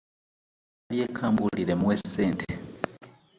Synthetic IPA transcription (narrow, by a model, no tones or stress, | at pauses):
aβjeːkʰaːmbuliɾe̞mweseːntʰe